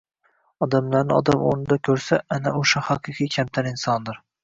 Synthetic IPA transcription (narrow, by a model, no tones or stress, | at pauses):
ɒd̪amlaɾnɪɒd̪amoɾnɪd̪akʲʰɵɾsaʔanaoʃahaqʰɨqʰijkʲʰamt̪ʰanɪnsɒnd̪ɪɾ